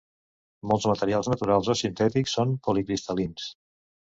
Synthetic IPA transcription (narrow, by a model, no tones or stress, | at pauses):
mɔlˠzmət̪əɾialˠznət̪uɾalˠzosint̪ɛt̪iksːonpulikɾist̪əlins